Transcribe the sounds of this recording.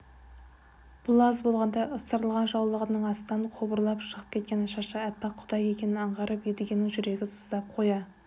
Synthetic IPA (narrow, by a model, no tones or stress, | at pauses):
b̥ʊlˠɑzbo̞lˠʁɑnd̪ɑʔəst̪əɾəlˠʁɑnʒɑwlˠəʁənəɴɑst̪ɑnqʰobəɾlˠɑpʃəʁəp̚kʲʰe̞t̪̚kʲe̞nɑʃɑʃɑæpːɑqʰʊd̪ɑje̞kʲe̞nɪnɑɴʁɑɾʔəped̪eɡʲenɪŋʒʏɾe̞ɡʲɪsəzd̪ɑp̚qʰo̞jɑ